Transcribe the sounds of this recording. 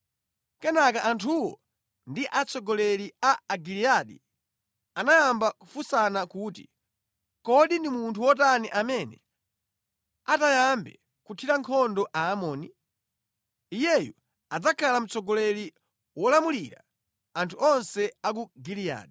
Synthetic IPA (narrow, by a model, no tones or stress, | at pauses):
kɛnakaʔantʰuwɔ̰ | ndiʔat͡sʰɔɡɔlɛɾiaaɡiliaɗḭ | anajambakufusanakuːtḭ | kɔɗindimuntʰuwɔtaniʔamɛnɛ̰ | atajambɛ̰ | kutʰiɾaŋkʰɔndɔʔaːmɔːni | ijɛju | ad͡zakʰalam̩t͡sɔɡɔlɛɾi | wɔlamuliɾa̰ | antʰuɔnsɛak̬uɡilia̰ːɗi